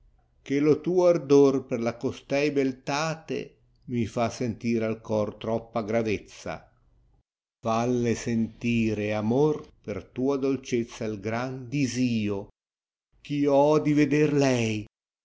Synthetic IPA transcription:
k̟elot̪uːoard̪orperlakost̪ɛjbelt̪aːt̪ḛ | mifasent̪iːɾealkɔrt̪ɾɔpːaɡɾavɛt̪sːa̰ | falːesent̪iːɾeamorpert̪uːad̪olt͡ʃɛt̪sːailɡɾand̪iziːo | kiːoɔd̪ived̪ɛrlɛj

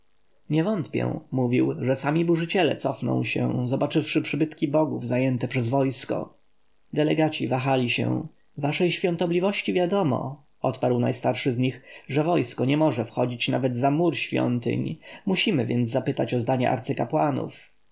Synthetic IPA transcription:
ɲɛvɔnt̪pʲjɛ̰̃muvʲiwʐɛsamʲibuʐɘt͡ɕɛlɛ̰t̪sɔfnɔ̰̃w̃ɕɛ̰zɔbat͡ʂɘfʂɘpʂɘbɘt̪kʲibɔɡuvzajɛnt̪ɛpʂɛzvɔjskɔ̰ | d̪ɛlɛɡat͡ɕivaxalʲiɕɛ̰̃ | vaʂɛjɕfʲjɔ̃nt̪ɔblʲivɔɕt͡ɕivʲjad̪ɔmɔ̰ | ɔt̪paɾwna̰jst̪aɾʂɘzɲixʐɛvɔjskɔɲɛmɔʐɛfxɔd͡ʑit͡ɕnavɛd̪zamuɾɕfʲjɔ̰nt̪ɘ̰ɲmuɕimɘvʲjɛnd̪zzapɘt̪at͡ɕɔzd̪aɲɛ̰ʔa̰ɾt̪sɘkapwanṵf

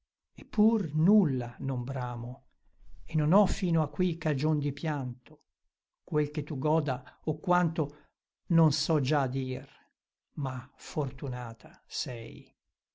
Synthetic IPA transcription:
epːurnulːanombɾaːmo | enːonɔfiːnoakːwikad͡ʒond̪ipjant̪o̥ | kwelket̪ːuɡɔːd̪aokːwant̪o | nonsɔd͡ʒad̪iːr | mafort̪unaːt̪ʰasɛ̰j

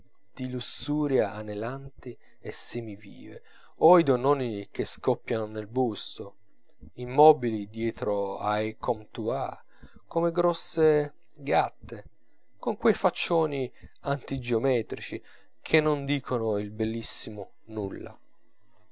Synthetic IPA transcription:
d̪̥ilusuːɾjaʔːnelant̪i | esːemivḭːvḛ | oid̪onɔːnik̟eskɔpːjanonelbust̪o | imːɔːbilid̪jɛːt̪ɾoajkʰɔmt̪ua̰ | komeɡɾɔsːe | ɡat̪ːe | koŋkwejfat͡ʃːoːniant̪id͡ʒeomɛːt̪ɾit͡ʃi | kʰenːond̪iːkʰonoilbɛlːisːimʊ | nulːa̰

